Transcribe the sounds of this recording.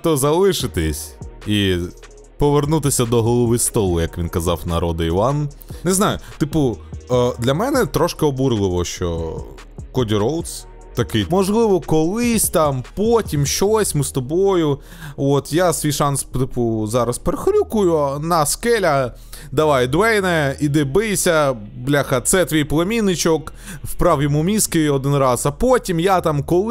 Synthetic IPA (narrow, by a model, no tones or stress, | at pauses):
t̪ɔzɐlˠɪʃɪt̪ɪsʲi | pɔʋernut̪ɪsʲɐd̪ɔɦɔlˠɔʋɪst̪ɔlˠʊjɐkʋʲinkɐzɑwnɐɾɔd̪ɪiʋɑn | neznɑjʊt̪ɪpʊ | d̪lʲɐmɛnɛt̪ɾɔʃkɪɔbuɾɪlˠɪʋɔʃt͡ʃɔ̰ | kɔdʲiɾɔlˠt̪s | t̪ɐkɪjmɔʒlˠɪʋɔkɔlˠɪsʲt̪ɑmpotʲimʃt͡ʃɔsʲmɪst̪ɔbojʊ | ot̪jasʋʲijʃɑnst̪ɪpʊzɑɾɐspeɾɪxɾʲukʊjʊnɐskɛlʲɐ | d̪ɐʋɑjd̪ʋɛjnɛid̪ɪbɪjsʲɐblʲaxɐt̪sɛt̪ʋʲijplˠɐmʲinɪt͡ʃɔk | wpɾɑwjɔmumʲiskɪɔd̪ɪnɾɑsɐpɔtʲimjat̪ɑmkɔlˠ